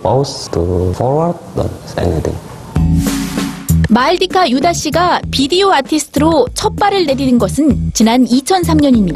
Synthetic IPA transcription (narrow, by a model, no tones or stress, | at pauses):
pastʰufɔɾwaɾd̚a̰sɛ̰nit̪ʰḭ̃ŋ | maɭdikʰajudaɕ͈iɡapidioatʰisʰɯ̥tʰɯɾot͡ɕʰʌp͈aɾɯɭne̞ɾinɯnɡʌsʰɯnt͡ɕinanit͡ɕʰʌns̬ʰamɲʌɲimɲida